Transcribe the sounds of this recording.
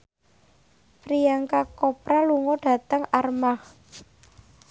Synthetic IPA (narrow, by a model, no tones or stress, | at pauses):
pɾijaŋkakɔpɾaluŋɔɖ̥a̤t̪əŋarmah